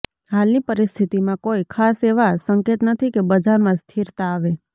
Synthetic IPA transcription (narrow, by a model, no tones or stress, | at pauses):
ɦalnipəɾɪst̪ʰit̪imãkoikʰaseʋasəŋket̪nət̪ʰikebəd͡ʒaɾmãst̪ʰiɾt̪aːʋe